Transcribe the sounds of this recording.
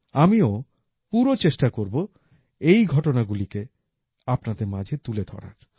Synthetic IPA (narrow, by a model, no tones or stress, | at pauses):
amio | puɾot͡ɕeʃʈakoɾbo | ejɡʱɔʈonaɡulike | apnad̪eɾmad͡ʑʱet̪uled̪ʱɔ̰ɾa̰ɾ